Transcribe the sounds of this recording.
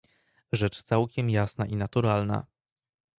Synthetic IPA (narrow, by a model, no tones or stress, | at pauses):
ʐɛt͡ʂt̪sawkʲɛmjasnaʔinat̪uɾalna̰